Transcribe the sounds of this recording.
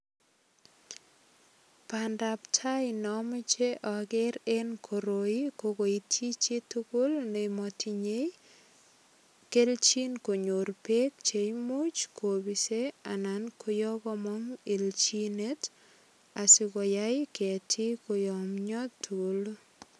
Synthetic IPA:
panda˨ptʰa˦ɪnɔme˦t͡ʃe˦ʔɔ˨ɡɪ˦ɾe˦nkʰoɾo˨ikoɡo˨itʰi˦t͡ʃe˦tu˦ku˦lne˨mɔti˨ɲe˦j | ke˦lt͡ʃi˦nko˨ɲo˨ɾpe˦k̚t͡ʃe˨jmu˦t͡ʃkʰobi˨se˦a˨na˨nkʰo˦jɔ˦ɡɔ˦mɔ˦ŋe˨lt͡ʃi˦ne˦t | a˨sɪkɔ˨ja˦ɪketʰi˦kojɔmɲɔ˦tːu˦l

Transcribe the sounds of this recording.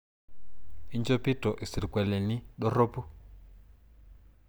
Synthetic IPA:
i˦nd͡ʒo˦pi˦tʼɔ˨ʔi˨si˨ɾi˨kwɛ˨le˨ni˦ɗɔ˦ro˦pu˦

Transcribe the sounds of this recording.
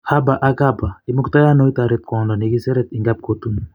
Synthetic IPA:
ha˦ba˨ʔa˦ka˦ba˨i˦mu˦kt̪a˦ja˦nɔ˦i˦t̪a˨ɾɛt̪̚kwɔ˨ndɔ˨ni˨ɡi˦sɛ˦ɾɛ˦t̪i˨ŋɡa˦p̚ko˨t̪u˦n

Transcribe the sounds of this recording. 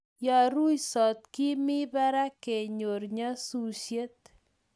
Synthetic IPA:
ja˨ɾu˦jsɔ˨t̪̚ki˦mɪ˦ba˦ɾa˦ke˨ɲo˨ɾɲa˦su˨sje˦t̪̚

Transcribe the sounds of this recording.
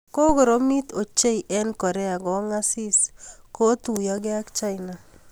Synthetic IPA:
ko˦ɡo˨ɾo˦mi˦t̪o˨t͡ʃe˦iʔɛ˦nkɔ˨ɾɛ˦a˨ɡɔ˨˦ŋa˦si˦sko˦t̪u˨jɔ˦ɡɪ˦a˦kt͡ʃa˦ɪna˨

